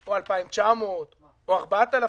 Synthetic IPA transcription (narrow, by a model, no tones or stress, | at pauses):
oalpaimt͡ʃamot̪ | oaʁbat̪ala